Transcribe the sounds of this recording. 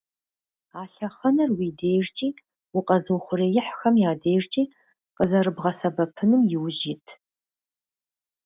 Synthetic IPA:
aːɬɐχɐnɐrwiːdeːjrt͡ʃʼiː | wʊqʼɐzɨwχʷʊreːjɪħxɐmjaːdeːjrt͡ʃʼiː | qʼəzɐɾɨbʁɐsɐbɐpʰɨnɨmjɪwʒitʰ

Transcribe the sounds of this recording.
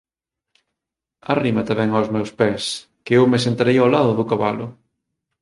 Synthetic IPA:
arimat̪amɛŋawzmɛwspɛs | keewmesent̪aɾejalaðʊðʊkaβalʊ̰

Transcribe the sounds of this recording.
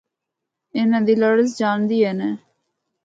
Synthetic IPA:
ɪnãːd̪iːləɽəs̬d͡ʒaːnd̪iːeːneː

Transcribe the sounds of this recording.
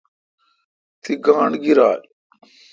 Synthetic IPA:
t̪ʰiɡaːɳɡiɾa̰ːl

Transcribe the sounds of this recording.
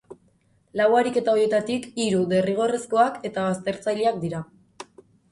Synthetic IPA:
lawaɾike̞t̪ao̞je̞t̪at̪ikiɾuðe̞riɣ̞o̞resko̞ake̞t̪aβast̪e̞ɾt͡sajleak̚d̪iɾa

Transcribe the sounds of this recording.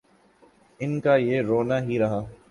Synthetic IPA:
ɪnkajeːɾoːnaɦiɾɐɦaː

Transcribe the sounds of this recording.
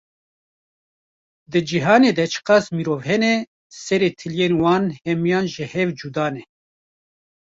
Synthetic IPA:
d̪ɨd͡ʒiɦɑːneːd̪ɛt͡ʃʰɨ̥qɑːsmiɾoːvhɛnɛ | sɛɾeːt̪ʰɨljeːnwɑːnhɛmijɑːnʒɨhɛvd͡ʒud̪ɑːnɛ

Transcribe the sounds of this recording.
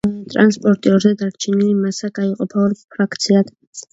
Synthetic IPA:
ɛt̪ʼɾanspʼɔɾt̪ʼiɔɾzɛd̪aɾt͡ʃʰɛnilimasaɡ̥aiqʼɔpʰaɔɾpʰɾakʰt̪sʰiad̪̥

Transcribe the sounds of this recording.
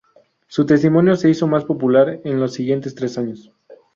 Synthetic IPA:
sut̪e̞st̪imo̞njo̞se̞iso̞maspo̞pulaɾenlo̞sːiɣje̞nt̪e̞st̪ɾe̞saɲo̞s

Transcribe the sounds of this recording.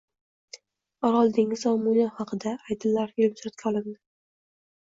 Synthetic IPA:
ɒɾɒlˠd̪ɪŋɪzɒmunjahɑqʰɨd̪aːjd̪ɪlːaɾjelbsɾat̪̚kʲʰaɒlˠɪmd̪ɪ

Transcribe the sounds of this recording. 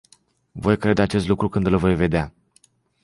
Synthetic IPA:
vo̞jkɾe̞d̪eat͡ʃest̪lukɾukɨnd̪ɨlvo̞jve̞d̪ea

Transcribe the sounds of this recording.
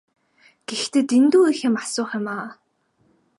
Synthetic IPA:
ɡ̥ext̪eːt̪int̪uːixĕmasʊːχămaː

